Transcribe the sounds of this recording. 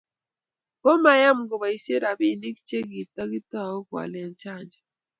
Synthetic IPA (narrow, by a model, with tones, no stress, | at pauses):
ko˦ma˨ja˦m˨ɡɔ˨ba˨i˦sje˦ɾa˨bi˨ni˦kt͡ʃe˦ɡi˨t̪̚a˦ɡɪ˦tɔ˦˨o˦ɡwa̰˨lɛ˦nt͡ʃa˦˨ɲd͡ʒɔ˨